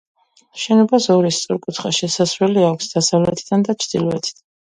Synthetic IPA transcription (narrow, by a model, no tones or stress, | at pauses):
ʃɛnɔbasɔɾist̪sʼɔɾkʼut̪ʰχaʃɛsasɾwɛliakʷʰsd̪̥asavlɛt̪ʰid̪and̪at͡ʃʰɾd̪̥ilɔɛt̪ʰid̪̥an